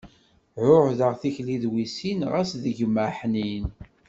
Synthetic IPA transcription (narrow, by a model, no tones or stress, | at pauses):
ʕʊħðəʁθiçliðwisinʁæsðəʝməħnin